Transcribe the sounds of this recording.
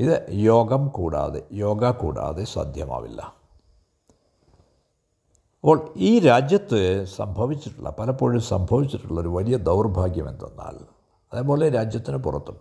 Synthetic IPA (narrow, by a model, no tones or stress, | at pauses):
iðɨjo̞ːɡɐmkuːɽa̰ːðe̞̰jo̞ːɡakṵːɽa̰ːðesa̰ːd̪ʱjɐma̰ːʋḭlːɐ̰ | ɐpːo̞ːɭiːɾaːd͡ʑjɐt̪ːɨsɐ̰mbʱɐʋit͡ɕːiʈːuɭːɐ̰pɐlɐpːo̞ːɻumsɐmbʱɐʋit͡ɕːiʈːuɭːɐoɾuʋɐlijɐd̪ɐwrbʱaːɡjɐme̞̰nd̪ɐnːa̰ːl | ɐðeːp̬o̞ːleiːɾaːd͡ʑjɐt̪ːinɨpurɐt̪ːum